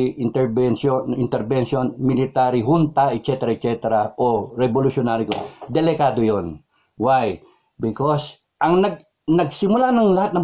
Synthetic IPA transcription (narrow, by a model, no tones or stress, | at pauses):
ʔɪnt̪ɛɾbɛnʃonɪnt̪ɛɾbɛnʃonmɪlɪt̪aɾiɦunt̪aɛt̪̚t͡ʃɛt̪ɛɾat̪t͡ʃɛt̪ɛɾaʔoɾɛbolʊʃjonaːɾɪkod̪ɛlɛkaːd̪ojon | waj | bɪkos | ʔɐŋnɐɡ̚ | nɐɡ̚sɪmʊlanɐŋlɐhat̪nɐŋ